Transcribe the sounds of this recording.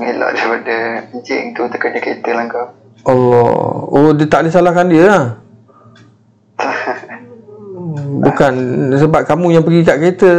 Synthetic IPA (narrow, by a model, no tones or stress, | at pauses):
melɔ̰ʔdaɾipadəəɲt͡ʃɪ̰ŋt̪ut̪əkərd͡ʒəkəit̪əlaŋkaw | ʔalːɔ̰odət̪aʔlisalahkandiəlah | bukansəbap̚kamũjaŋpəɡikaʔket̪ə